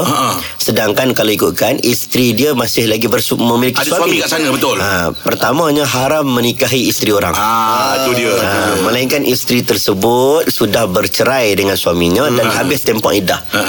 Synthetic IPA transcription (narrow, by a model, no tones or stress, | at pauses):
sədaŋkankalaikut̪̚kanist̪ɾidiamasɪhlaɡibərsməmilikiswaamikaʔsanabət̪ʊlapərt̪amaɲaɦaɾamːə̃nikaɦiist̪ɾioɾa̰ŋt̪udiəaməlaiŋkanʔist̪ɾit̪ərsəbʊt̪̚sudahbərt͡ʃəɾajdəŋansuamiɲadanhabɪst̪ɛmpɔ̰ʔida̰h